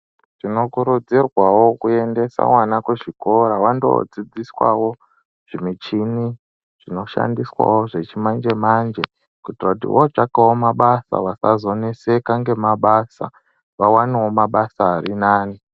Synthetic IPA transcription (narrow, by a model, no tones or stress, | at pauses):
ʐ̥ino̞kuɾud͡zirwawo̞kue̞nde̞sa̰mwanakweʐiko̞ɾawando̞̰d͡zid͡ziswa̰wo̞ | ʐ̥imit͡ʃini | ʐ̥ino̞ʃa̰ndiswa̰woʐe̞t͡ʃimand͡ʒe̞mand͡ʒe | kutirakutḭwʔot͡ʂakawomaɓasa̰ʋasazo̞nesekaŋɡe̞maɓasa̰ | ʋawaniwo̞maɓasaːɾinaːni